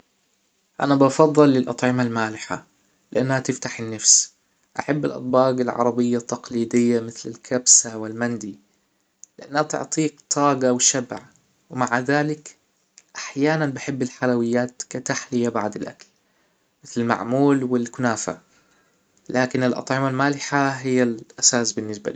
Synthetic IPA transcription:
ʔanabɑfɑðˤːɨlːɪlʔɑt̪ˤʕɪmalmaːlɪħa̰ | lɪʔanːhat̪ɪft̪aħɪnːafs | ʔaħabːɪlʔɑ̰t̪ˤbɑːɡɪlʕɑ̰ɾˤɑbɪjːat̪ːɑqliːd̪ɪjːamɪθlɪlkʰabsawɪlmand̪i | lɪʔanːhat̪ɪ̰ʕt̪ˤiːkt̪ʰˤɑːɡɑwʃabʕ | wmaʕðaːlɪk | ʔaħjaːnanbɪħɪbːɪlħalawɪjːaːt̪kat̪aħlɪjabaʕd̪ɪlʔa̰kl | mɪθlɪlma̰ʕmuːlwɪlkʊnaːfa̰ | lʔaːkɪnɪlʔɑ̰t̪ˤʕɪmalmaːlɪħaɦɪjːalʔasaːsbɪnːɪsba̰li

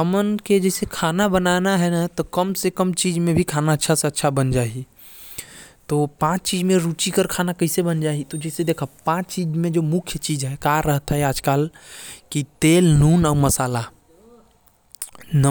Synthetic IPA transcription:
əmənked͡ʒɛsekʰaːnabənanaɦɛnat̪ɔkəmsekəmt͡ʃiːd͡ʒmẽbʱikʰaːnaətːʃʰaseɐtːʃʰabənd͡ʒaːi | t̪opãːt͡ʃt͡ʃiːd͡ʒmẽɾut͡ʃikəɾkʰaːnakəɦisebənd͡ʒaːit̪od͡ʒɛsed̪eːkʰapãːt͡ʃt͡ʃiːd͡ʒmẽd͡ʒomʊkʰjt͡ʃiːd͡ʒɦɛkaɾəɦt̪aɦɛaːd͡ʒkaːlkit̪eːlnuːnɔːɾməsaːla | nə

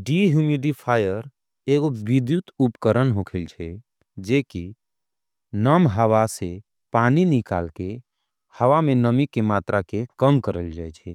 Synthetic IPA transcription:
ɖiɦjumiɖipʰaːjəɾ | eɡobid̪jut̪upkəɾənɦokʰəlt͡ʃʰɛ | d͡ʒeki | nəmɦəwase | paninika̰ːlke | həʋamenəmikemaːt̪ɾakekəmkəɾəld͡ʒajt͡ʃʰɛ

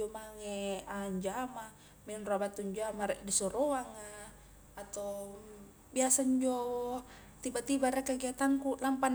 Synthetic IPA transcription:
omaŋɛaɲd͡ʒama | mɛnrabat̪uɲd͡ʒamaɾɛʔdisɔɾoaŋaː | t̪o | biasaɲd͡ʒo | t̪ibat̪ibaɾɛkaɡiat̪aŋkulampan

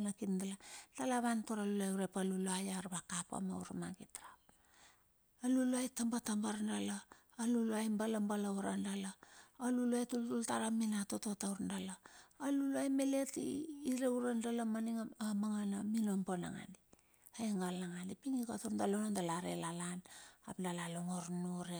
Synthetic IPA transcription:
nakinndaladalaβantoɾalulajuɾepaluluajaɾβakapa̰ma̰uɾmaɡitɾap̚ | aluluajtambatambaɾndalaː | luluajmbalambalauɾandalaːluluajtultultaɾaminatototauɾndalaːluluajme̞le̞tḭːɾeuɾandalamaniŋaamaŋanaminompona̰ŋa̰ni | ajeŋɡalaŋanipiŋikatondalonondalaɾḛlalana̰plalaloŋoɾnuɾe

